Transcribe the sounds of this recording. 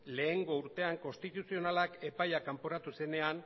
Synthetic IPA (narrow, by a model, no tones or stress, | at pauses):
le̞ːŋɡo̞uɾt̪e̞aŋko̞nst̪it̪usio̞nalake̞pajakampoɾat̪use̞ne̞an